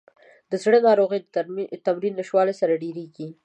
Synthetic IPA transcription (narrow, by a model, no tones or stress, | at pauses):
d̪əzɽənɑɾoɣəjt̪amɾinːəʃwɑlesaɾaɖeɾeɡi